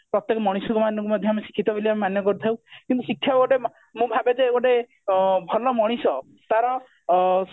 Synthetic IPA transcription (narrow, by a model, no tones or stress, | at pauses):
pɾɔt̪ːekɔmɔɽ̃isɔkumanjɔ̃kumɔd̪ʱjɔamesi̥kʰit̪ɔbeliamemanjɔkɔɾut̪ʰawkint̪usikʰːjaoʈe | mũbʱabed͡ʒeɔʈe | bʱɔlɔmɔɽ̃isɔ | t̪aɾɔ